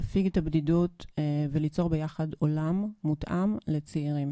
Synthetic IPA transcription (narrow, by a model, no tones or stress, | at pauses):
afiɡet̪abdidutvelit͡so̞ʁbejaχado̞lamːutʔamle̞t͡siiʁim